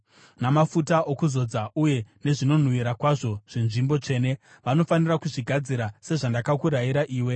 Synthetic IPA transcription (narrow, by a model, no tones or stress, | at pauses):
namafutaʔokuzo̞d͡zaʔuje̞ne̞ʐino̞n̤uʋiɾakwaʐo̞ʐ̥inʐimbo̞t͡ʂe̞ːne̞ | ʋano̞fanirakuʐiɡʱad͡ziɾase̞ʐandakakuɾajiɾaʔiːwe̞